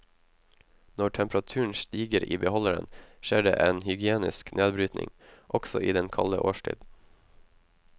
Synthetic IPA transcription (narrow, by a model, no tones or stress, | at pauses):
nɔʈʰɛmpɾɑt̪ʰʉːɳ̩ʃt̪iːɡəɾḭːbəhɔləɾə̰nʃeːɖeːʔeːnhʏɡɪeːnɪsknʔeːd̪bɾyːt̪nɪ̰ŋʔɔɡ̥sɔʔiːd̪ɛnkʰɑləʔoːʃʈʰḭːd̪